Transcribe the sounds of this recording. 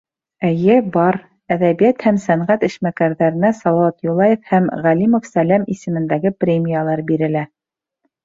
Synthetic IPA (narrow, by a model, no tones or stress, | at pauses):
æjɘbɑɾ | æðæβijæt̪hæmsæɴʁæt̪ɘ̆ʃmækæɾðæɾɘ̆næsɑlˠɑwɑt̪julˠɑjefhæmʁælimŏfsælæmisɘ̆mɘ̆nd̪æɡɘprʲemʲijalˠɑɾbiɾɘ̆læ